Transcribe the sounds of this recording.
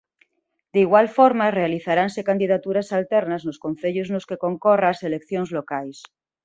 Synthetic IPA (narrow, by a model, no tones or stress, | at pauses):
d̪eiɣwalfoɾmarealiθaɾansekand̪ið̞at̪uɾasalt̪eɾnaznoskon̟θeʎoznoskeko̞ŋkoraselekθjonzlokajs